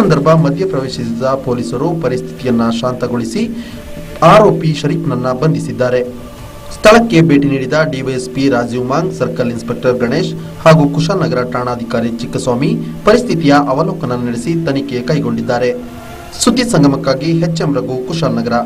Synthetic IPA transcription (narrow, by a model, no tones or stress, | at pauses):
ɐnd̪ɐɾbʱɐmɐd̪ʱjɐpɾɐʋeːʃisid̪ɐpo̞ːlisɐɾupɐɾist̪ʰi̥t̪ijɐnːɐʃaːnt̪ɐɡoɭisi | aːɾoːpiʃɐɾiːk̪nɐnːɐbɐnd̪ʱisid̪ːaːɾe̞ | st̪ʰɐɭɐkːe̞be̞ːʈiniːɽid̪ɐɖiʋiespiɾaːd͡ʒuːmaːŋɡsɐɾkɐlinspek̚ʈɐɾɡɐɳeːʃ | haːɡukuʃaːlnɐɡɐɾɐʈɾaːɳaːd̪ʱikaːɾit͡ʃikːɐsʋaːmipɐɾist̪ʰit̪ijɐʔɐʋɐloːkɐnɐnɐɽesit̪ɐnikekɐjɡo̞ɳɖid̪ːaːɾe̞ | sud̪ːisɐŋɡʱɐmɐkːaːɡiɦet͡ʃːɐmɾɐɡukuʃaːlnɐɡɐɾɐ